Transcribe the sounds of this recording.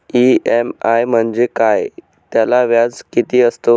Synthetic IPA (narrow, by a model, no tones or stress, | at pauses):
iemajm̤əɳd͡zekaj | t̪jalaʋjad͡zkit̪iːəst̪o